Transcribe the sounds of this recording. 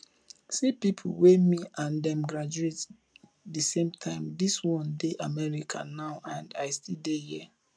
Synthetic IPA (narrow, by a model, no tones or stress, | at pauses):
sipipʰṵwemiãndɛ̃mɡɹad͡ʒuet | dəsẽmtʰãɪ̃mdiswɔ̃ndeʔamɛɹikʰa̰naʊʔãndaɪstildehi